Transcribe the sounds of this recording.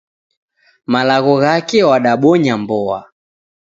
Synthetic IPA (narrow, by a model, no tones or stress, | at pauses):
malaɣɔɣakɛwaɗaɓɔɲambɔa̰